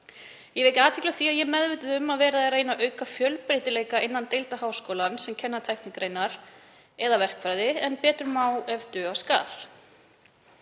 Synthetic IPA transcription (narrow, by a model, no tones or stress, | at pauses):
jɛvejcɪaːt̪ʰɪklaθiaðjɛmɛðvɪjt̪ɪðʏmːaðvɛːɾaðɛrejnaʔœɥkafjœlpɾeːjt̪ɪleːjkaʔɪnːant̪ejlt̪ahaːwskoːwlansɛmcʰɛnːat̪ʰajknɪkɾeːjnaɾ̥ | ɛðavɛr̥kvajðɪɛnpɛːt̪ɾʏmaːwɛvt̪ʏːaska̰ːθ